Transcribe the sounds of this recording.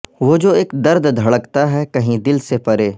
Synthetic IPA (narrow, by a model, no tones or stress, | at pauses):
ʋoːd͡ʒoːeːkd̪ɐɾd̪d̪ʱɐɭəkt̪aɦɛkɐɦĩd̪ɪlsepɐɾeː